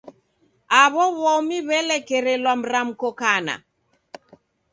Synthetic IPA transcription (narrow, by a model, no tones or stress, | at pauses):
aβɔβɔmiβɛlɛkɛɾɛlwam̩ɾam̩kɔkana̰